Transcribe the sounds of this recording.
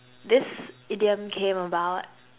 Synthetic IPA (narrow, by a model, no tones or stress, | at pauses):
ðɪsɪdiɨ̃mkʰẽɪ̃məbaʊt̚